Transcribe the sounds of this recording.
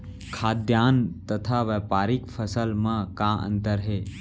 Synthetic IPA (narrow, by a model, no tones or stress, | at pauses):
kʰaːd̪jaːnt̪ɐt̪ʰaʋeːpaːɾɪkfʰəsəlmãkãːʔə̰̃nt̪əɾɦeː